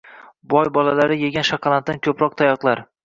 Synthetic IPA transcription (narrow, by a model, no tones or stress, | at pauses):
bɒjbɒlalaɾɪjeɡʲanʃaqʰɑlˠanːankʲʰɵpɾɒq̚t̪ʰajɒqlˠaɾ